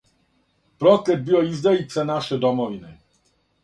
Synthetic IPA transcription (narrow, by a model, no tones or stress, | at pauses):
pɾɔt̪lɛd̪̚biwɔizd̪ɛit̪sɛnaʂɛd̪ɔmɔvʲinɨ